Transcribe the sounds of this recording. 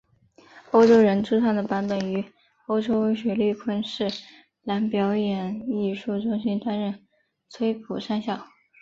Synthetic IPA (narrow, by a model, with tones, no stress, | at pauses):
o˥ʊʈ͡ʂo˥ʊɻə˧˥nʈ͡ʂʰɻu˥ʈ͡ʂʰɑ˥˩ŋd̪ə˩pa˧˥npə˨˩ny˧˥ | o˥ʊʈ͡ʂo˥ʊwe˥ɪɕwɥɛ˧˩ly˥˩kʰwə˥nʂɻ̩˥˩ | la˧˥npjɑ˧˥ʊjɛ˨˩ni˥˩ʂu˥˧ʈ͡ʂʊ˥ŋɕi˥nt̪a˥nɻə˥˩n | t͡sʰwe˥ɪpʰu˨˩ʂa˥˧nɕjɑ˥˩ʊ